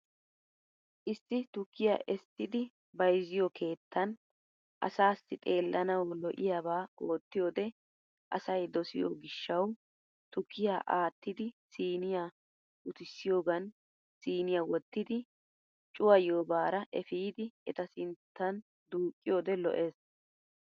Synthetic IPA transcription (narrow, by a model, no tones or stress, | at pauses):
ʔɪsːɪt̪ʊkʰːɪja̰ːʔɛst̪ːɪd̪ɪ | bɐjzɪjɔkʰe̞ːt̪ʰːɐn | ʔɐ̰saːsːɪt̪ʼe̞ːlːʔɐnɐwlɔʔɪjaːbaːʔo̞ːt̪ːɪjoːd̪ɛ | ʔɐ̰sɐjd̪ɔsɪjo̰ɡɪʃːɐw | t̪ʊkʰːɪjaːʔaːt̪ːɪd̪ɪsiːnɪjaː | ʔʊt̪ɪsːɪjo̞ːɡɐn | siːnɪjawɔt̪ːɪd̪ɪ | t͡ʃʼʊwɐjoːbaːɾɐʔɛfiːd̪ɪɛt̪ɐsɪnt̪ːɐn | d̪uːkʼːɪjoːd̪ɛlɔ̰ʔe̞ːs